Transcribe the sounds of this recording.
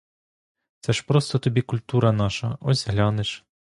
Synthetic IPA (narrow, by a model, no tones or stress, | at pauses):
t̪sɛʃpɾɔst̪ɔt̪ɔbʲikʊlʲt̪uɾɐnɑʃɐɔzʲɦlʲɑnɪʃ